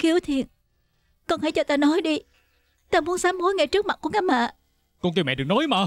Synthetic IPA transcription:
xi˨˦əwt̪ʰi˨˩˨ən | kɔ˧˩nhaː˧˩jt͡ɕɔ˧t̪aː˧nɔ˨˦jɗi˧ | t̪aː˧mu˨˦ənsaː˨˦mːu˨˦jŋa˨˧˩jt͡ɕɨ˦˥k̚ma˨˩t̚ku˧˩əkaː˧˥ma̰ː˧˨ | kɔ˧nt̪i˧˩wmɛ̰˧˨ɗɨ˨˩knɔ˨˦jmaː˨˩

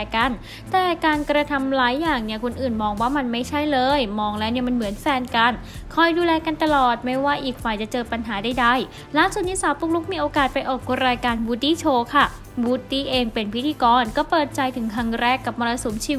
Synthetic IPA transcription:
ka˧˩n | t̪ɛː˨˩kaː˧nkɾa˧t̪ʰa˧mlaː˨˩˦jːaː˨˩ŋni˦˥˩ɐkʰo˧nʔɯː˨˩nmɔː˧ŋwaː˥˩ma˧nma˥˩jt͡ɕʰa˥˩jlɤː˧jmɔː˧ŋlɛː˦˥wni˥˩˨ma˧nmɯ˩˦ənfɛː˧nka˧n | kʰɔ˧˩jduː˧lɛː˧ka˧nt̪a˧lɔː˨˩t̪̚ma˦˥˩jwaː˥˩ʔiː˨˩k̚faː˨˩jt͡ɕa˨˩t͡ɕɤː˧pa˧nɦaː˩˦daː˥˩jda˥˩j | laː˦˥ŋsu˨˩t̪̚niː˦˥saː˨˦wpuː˧˥k̚lu˦˥k̚miː˧ʔoː˧kaː˨˩t̪̚pa˧jʔɔː˨˩k̚ːu˧ɾaː˧jkaː˧nbuː˧˥t̪iː˥˩t͡ɕʰoː˧kʰa˥˩ | buː˨˥t̪̚d̪iː˥˩ʔeː˧ŋpe˧npʰi˦˥t̪ʰiː˧kɔː˧nkɔː˥˩pɤː˨˩t̪̚t͡ɕa˧jt̪ʰɯ˩˦ŋkʰa˧ŋɾɛː˥˩kːa˨˩p̚mɔː˧la˧su˩˦mt͡ɕʰiː˧

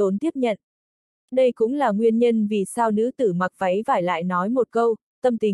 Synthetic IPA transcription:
o˨˦nt̪i˦˥əp̚ɲə̰˧˨nʔ | ɗə˧jkʊ̰˧˥ŋ͡mlaː˨˩ŋwi˧ənɲə˧nvi˨˩saː˧wnɨ̰˧˥t̪ɨ˧˩ma˨˩k̚va˨˦jvaː˧˩jla̰ː˧˨jnɔ˨˦jmo˨˩t̚kə˧w | t̪ə˧mt̪ï˨˩

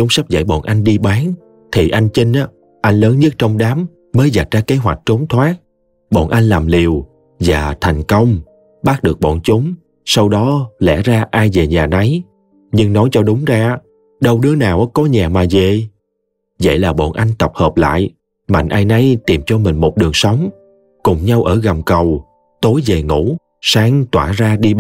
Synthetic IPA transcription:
t͡ɕʊ˨˦ŋ͡msa˦˥p̚za̰˧˩jɓɔ̰˧˨nʔa˧jŋ̟ɗi˧ɓaː˨˦n | t̪ʰi˨˩ʔa˧jŋ̟t͡ɕi˧ŋ̟ʔaː˨˦ | ʔa˧jŋ̟ləː˨˦nɲə˦˥t̚t͡ɕɔ˧wŋ͡mɗaː˨˦m | məː˨˦jza˨˩t̚zaː˧ke˨˦ɦwa̰˨˩jk̟̚t͡ɕo˨˦nt̪ʰwaː˦˥k̚ | ɓɔ̰˧˨nʔa˧jŋ̟laː˨˩mli˨˩əw | vaː˨˩t̪ʰa˨˩jŋ̟kə˧wŋ͡m | ɓaː˦˥k̚ɗɨ˨˩ək̚ɓɔ̰˧˨nt͡ɕʊ˨˦ŋ͡m | sa˧wɗɔ˨˦lɛ̰˧˥zaː˧ʔaː˧jve˨˩ɲaː˨˩na˨˦j | ɲɨ˧ŋnɔ˨˦jt͡ɕɔ˧ɗʊ˨˦ŋ͡mzaː˧ | ɗə˧wɗɨ˨˦ənaː˨˩wʔkɔ˨˦ɲaː˨˩maː˨˩ze˨˩ | və̰˧˨jlaː˨˩ɓo̰˧˨nʔa˧jŋ̟t̪ə˨˩p̚həː˨˩p̚la̰ː˧˨j | ma̰˧˨ŋ̟ʔaː˧jna˨˦jt̪i˨˩mt͡ɕɔ˧mï˨˩ŋ̟mo˨˩t̚ɗɨ˨˩əŋsə˨˦wŋ͡m | kʊ˨˩ŋ͡mɲa˧wʔəː˧˩ɣa˨˩mkə˨˩w | t̪o˨˦jve˨˩ŋṵ˧˥ | saː˨˦ŋt̪waː˧˩zaː˧ɗi˧

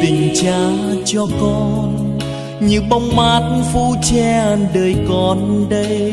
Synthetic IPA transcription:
t̪ï˨˩ŋ̟t͡ɕaː˧˦t͡ɕɔ˧kɔ˧n | ɲɨ˧˦ŋɓa˧˦wŋ͡mmaː˨˦˥t̚fu˧˥˦t͡ɕɛ˧˨ɗəː˨˩jkɔ˨˩nɗə˧j

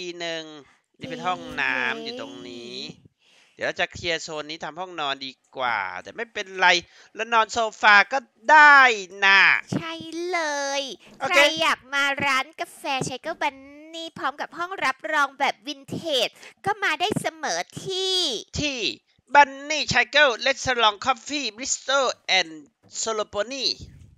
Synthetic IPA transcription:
iː˧nɯ˨˧ŋ | niː˥˩pe˧˩˧nɦɔ˥˩ŋnaː˦˥mjuː˨˩t̪o˧ŋniː˦˥ | d̪iː˨˩˦ɾa˧wt͡ɕa˨˩kʰi˧ɐ˧sʰoː˧nːiː˦˥t̪ʰa˧mhɔ˥˩ŋnɔː˧ndiː˧kwa̰ː˨˩t̪ɛː˨˩ma˥˩jpe˧nɾa˧j | lɛ˦˥nɔː˧nsoː˧faː˧kɔː˥˩ | daː˥˩jna˧˩t͡ɕʰa˥˩jlɤː˧j | ko˨ɾae˧jːaː˨˩k̚maː˧ɾaː˦˥nka˧fɛː˧t͡ɕʰa˧˦˥jkɤ˥˩ba˧nniː˥˩pʰɔː˦˥mka˨˩p̚hɔ˥˩ŋɾa˦˥p̚ɾɔː˧ŋbɛː˨˩p̚wi˧nt̪ʰeː˨˩t̪̚kɔː˥˩maː˧daː˥˩jsa˧mɤː˩˦t̪ʰiː˥˩t̪ʰiː˥˩ | ba˧nːiː˥˩t͡ɕʰa˧jkɤ˥˩wle˦˥t̪̚sə˧lɔ˧ŋkʰɔ˦˥pfiː˥˩bɾi˦˥st̪oː˥˩ʔɛː˧n | so˧lo˧poː˧niː˥˩

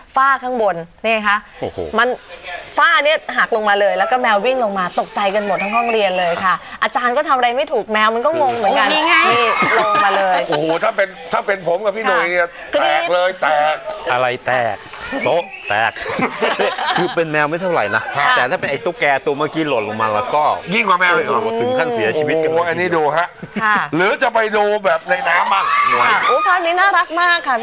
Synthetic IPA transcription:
faː˥˩kʰaː˥˩ŋbo˧nːiː˥˩a˦˩kʰa˦˥ʔʔoː˨˩ho̰ː˨˩ma˧nfaː˥˩ni˥˩ɐɦaː˨˩k̚lo˧ŋmaː˧lɤː˧jlɛː˦˥wkɔː˥˩mɛː˧wwi˥˩ŋlo˧ŋmaː˧t̪o˨˩k̚t͡ɕa˧jka˧nmo˨˩t̪̚ʰːa˧˥˩ɦɔ˥˩ŋɾi˧ənlɤː˧jkkʰa˥˩ʔʔa˧t͡ɕaː˧nkɔː˥˩t̪ʰa˧mʔɾa˧jma˥˩jt̪ʰuː˨˩k̚mɛː˧wma˧nkɔ˥˩mo˧ŋmɯ˨˩˦nka˧n˧a˨˧iː˥˩lo˧ŋ˧maː˧lɤː˧jʔo˨˩˨t̪ʰaː˥˩pe˧nt̪ʰaː˥˩pe˧npʰo˩˦mka˨˩pʰiː˥˩doː˧jni˥˩ɐkʰɯː˧ɛː˨˩˥lɤː˧jt̪ɛː˨˩k̚ʔʔa˧ɾa˧jt̪ɛː˨˩k̚t̪o˦˥ʔt̪ɛː˨˩k̚ | kʰɯː˧pe˧nmɛː˧wma˦˥˩t̪ʰa˥˩wɾa̰˨˩jna˦˥kʰa˦˩t̪ɛː˨˩t̪ʰaː˥˩pe˧nʔa˧jt̪o˦˥kːɛː˧t̪u˧ɐmaː˥˩kiː˦˥lo˨˩t̪̚lo˧ŋmaː˧lɛː˦˥wkɔː˥˩ji˥˩ŋkwaː˨˧˦mɛː˧wlɔ˧˩˧t̪ʰɯ˨˩ŋkʰa˥˩si˨˩˦ɐt͡ɕʰi˧wi˦˥t̪̚kʔa˧nːiː˦˥duː˧ɦa˦˥ʔkʰlɯː˨˦t͡ɕa˨˩pa˧jduː˧bɛː˨˩p̚na˧jnaː˦˥mːa˦˥˩k̚ʔoː˨˦kʰaː˥˩niː˦˥naː˥˩ɾa˦˥k̚maː˥˩kʰːa˥˩

